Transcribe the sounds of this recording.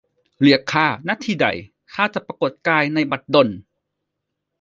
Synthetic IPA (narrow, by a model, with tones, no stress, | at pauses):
li˨˦əkʰːaː˧˩na˧˥t̪ʰiː˧˩da̰˨˩j | kʰaː˧˩t͡ɕa˨˩pːɾa˧ko˨˩t̪̚kaː˧jna˧jba˨˩t̪̚do˧˩n